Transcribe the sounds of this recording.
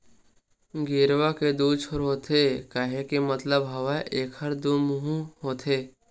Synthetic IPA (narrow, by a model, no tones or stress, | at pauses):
ɡɪɾwaked̪uːt͡ʃʰoɾɦoːt̪ʰeːkaɦekimɐt̪ləbɦɐʋaʔeːkhɐɾd̪oːmʊɦũɦoːt̪ʰeː